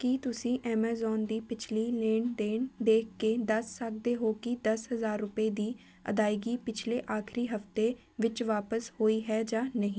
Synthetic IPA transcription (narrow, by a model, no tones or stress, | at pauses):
kit̪ʊsĩːʔɛːmaːzɔːnd̪iːpɪt͡ʃʰliːleːɳd̪eːnd̪eːkʰkeːd̪əsːək̚d̪eːɦoːkɪd̪əsɦəzaːɾːʊpeːd̪iː | ə̰d̪aːiɡiːpɪt͡ʃʰleːʔaːkʰɾiːɦəft̪eː | ʋɪt͡ʃʋaːpəshoːiːɦɛːd͡ʒaːnəɦĩː